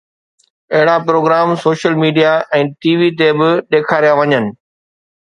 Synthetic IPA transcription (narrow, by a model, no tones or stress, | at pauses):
ɐɦɪɽapɾoːɡɾaːmsoːʃəlmiːɖijaʔɛ̃ːʈiːʋit̪̬ebɪɗeːkʰaːɾijaʋɐɲənɪ̆